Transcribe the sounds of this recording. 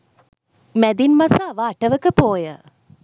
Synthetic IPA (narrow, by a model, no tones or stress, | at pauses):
mæd̪inmɐsaːʋaːʈəʋəkəpoːjə̰